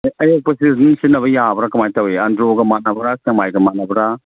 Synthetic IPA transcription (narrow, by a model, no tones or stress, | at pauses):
ɐjok̚pɐsisnsinɐβɐjabɐɾakɐmajtɐweɐndɾoɡɐmanɐbɐɾakɐmajɡɐmat̚nɐbɐɾa